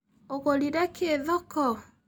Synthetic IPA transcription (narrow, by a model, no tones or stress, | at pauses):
oɣoliɾɛkʰeːðɔkɔ